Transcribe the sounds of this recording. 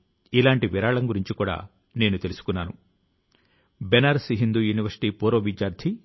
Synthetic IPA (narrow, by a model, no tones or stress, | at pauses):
ilaːɳʈiʋiɾaːɭɐŋɡuɾiɲt͡ʃikuːɽa̰ː | ne̞ːnut̪e̞lusu̥kunːaːnṵ | benaːɾsiɦind̪uːjuːniʋɐɾsi̥ʈiːpuːɾoːʋid͡ʒjaːɾd̪ʰʱi